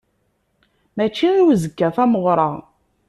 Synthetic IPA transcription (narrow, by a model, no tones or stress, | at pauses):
mæt͡ʃːiiwzəkːæfæməʁɾˤɑʁ